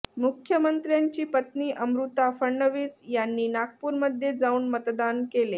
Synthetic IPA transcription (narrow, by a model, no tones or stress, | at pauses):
mukʰjəmənt̪ɾjaɲt͡ɕiːpət̪niːʔəmɾut̪afəɳɳəʋiːsjanːiːnaɡ̚puːɾməd̪ʱjed͡zauːnmət̪d̪ankele